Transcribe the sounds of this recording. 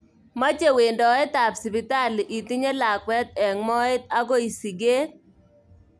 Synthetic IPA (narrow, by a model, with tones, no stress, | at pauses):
ma˦t͡ʃe˦we˨ndɔ˨ɛ˦t̪a˨psi˨pi˨ta˦li˨ʔi˨t̪i˦ɲe˦la˨kwɛ˦t̪̚ɛ˨ŋmɔ˦ɪ˦t̪a˦ɡɔ˦i˨si˨ɡe˦t